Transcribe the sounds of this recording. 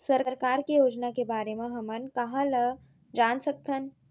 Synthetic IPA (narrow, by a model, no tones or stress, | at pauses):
səɾɾkaːɾkijoːd͡ʒnakebaːɾemẽɦɐmənkɐɦə̃lə | d͡ʒaːnsək̚t̪ʰən